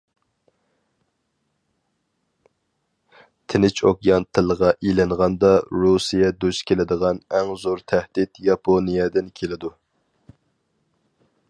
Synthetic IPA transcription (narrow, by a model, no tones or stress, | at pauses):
t̪ʰɪnɪt͡ʃʰokjɑnt̪ʰɨlˠʁɑʔilɪŋʁɑnd̪ɑɾusijɛd̪uʃkʲʰelɪd̪əʁɑnɛŋzoɾt̪ʰæhd̪̥it̪jɑpʰonijɛd̪ɪnkʲʰelɪd̪u